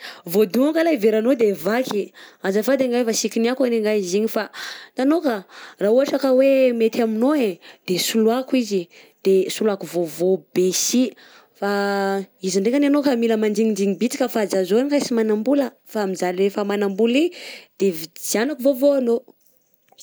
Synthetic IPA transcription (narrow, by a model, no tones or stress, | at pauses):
vod̪uŋakəlaiveɾanod̪evakiazafad̪eŋɡajfasikiniakaneŋɡajiziɲifananokaraːuaʈ͡ʂakəwemet̪aminoed̪̥esuluakizi | d̪̥esuluakuvovob̥esi | fa | iziɳɖ͡ʐekananokamiləmand͡ʒiŋindiŋibit͡si̥kʲəfad͡zazoanikasimanambulə | faamizaliɾefamanambulid̪̥evizanakuvovoano